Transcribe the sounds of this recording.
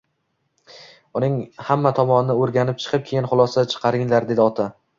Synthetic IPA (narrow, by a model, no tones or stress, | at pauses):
ʊnɪŋhamːat̪ʰɒmɒnɪnɪoɾɡʲanɪp̚t͡ʃʰɨ̥qʰɨp̚kʲʰe̞jɪnχʊlˠɒsat͡ʃʰɨ̥qʰɑɾɪŋlaɾd̪e̞d̪ɪɒt̪ʰa